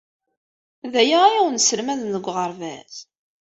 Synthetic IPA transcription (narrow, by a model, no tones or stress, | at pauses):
ðæjaæɾæwənsəlmæðnəɡʷːʁəɾvæz